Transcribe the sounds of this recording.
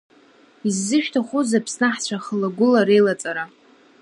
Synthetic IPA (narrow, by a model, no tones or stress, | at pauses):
izːɨʃᶣtʰaχʷuzapʰsnaħt͡ɕʷʰaχəlaɡʷʊlaɾejlat͡sʼaɾa